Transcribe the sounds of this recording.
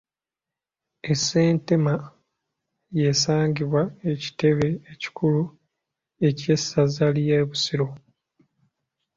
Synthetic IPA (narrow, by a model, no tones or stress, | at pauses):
e̞sːe̞ːnte̞ma | je̞saːɲɟiβwae̞ci̥te̞βe̞ːci̥kʰulu | e̞ce̞sazalijeβusiɾo̞